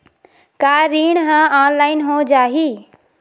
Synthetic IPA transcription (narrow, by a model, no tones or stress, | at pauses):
kaːɾiːɳ̃ɦãaːnlaːɪnɦõd͡ʒaːɦiː